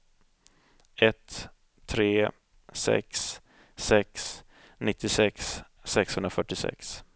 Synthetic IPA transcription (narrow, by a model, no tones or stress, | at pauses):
ɛt̪ʰː | ɾeː | sɛ̰ksː | ɛks | nɪt̪ʰːɪsɛksː | ɛkshɵnɾafœʈːɪsɛ̰ks